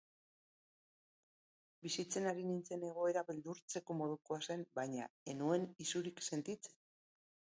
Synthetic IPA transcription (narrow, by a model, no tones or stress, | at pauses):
bisit͡se̞naɾinint͡se̞ne̞ɣ̞o̞e̞ɾaβeld̪uɾt͡se̞ko̞mo̞ð̞ukoase̞mbajɲa̰e̞nue̞nisuɾikse̞nt̪it͡se̥n